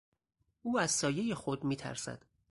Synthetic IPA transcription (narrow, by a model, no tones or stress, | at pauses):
ʔuːæz̥sɒːje̞je̞xo̞d̪miːt̪ʰæ̰ɾsæ̰d̪̥